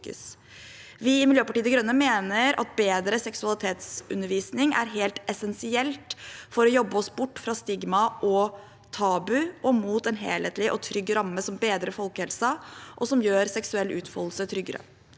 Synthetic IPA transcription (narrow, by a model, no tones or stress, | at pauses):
kə̰s | ʋɪɪmɪljøːpɑʈiːd̪əɡɾœnːəmeːnəɾɑ̰t̪̚beːd̪ɾəsɛksʉɑlɪt̪ʰeːt̪sʉ̰nːəɾʋiːsnɪŋæ̰ɾɦeːlt̪ɛsɛnsɪɛlt̪fɔɾɔjɔbːəɔsbʊʈːfɾɑst̪ɪɡmɑʔɔ | t̪ʰɑːbʉʔɔmuːt̪ɛnɦeːlheːt̪lɪʔɔt̪ʰɾʏɡːɾɑmːəsɔmbeːd̪ɾəfɔlˠkhɛlsəʔɔsɔmjøːɾsɛksʉɛlːʉːt̪fɔll̩sət̪ʰɾʏɡːəɾə̰